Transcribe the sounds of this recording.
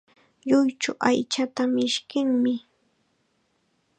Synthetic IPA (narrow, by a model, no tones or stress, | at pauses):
ʎʊjt͡ʃʊʔajt͡ʃat̪amɪʃkɪŋmɪ